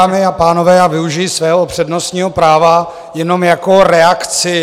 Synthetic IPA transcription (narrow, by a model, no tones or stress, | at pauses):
aːmɪapaːno̞vɛːavɪuʒɪjisvɛːɦoopr̝̥ɛdnost̪ɲiːɦo̞pɾaːva | jɛno̞mjako̞ɾɛakt͡sɪ